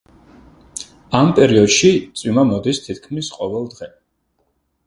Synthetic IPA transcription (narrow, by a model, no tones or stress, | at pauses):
ampʼɛɾiɔd̪̥ʃit̪sʼwimamɔd̪ist̪ʰit̪̚ʰkʰmisqʼɔvɛlˠd̪ʁɛ